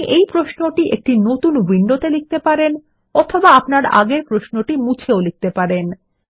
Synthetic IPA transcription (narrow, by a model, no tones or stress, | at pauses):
ʔejpɾoʃnoʈiʔek̚ʈinot̪unwiɳɖot̪elik̚t̪epaɾen | ɔt̪ʰobaapnaɾa̰ɡeɾpɾoʃnoʈimut͡ɕʰeolik̚t̪epaɾen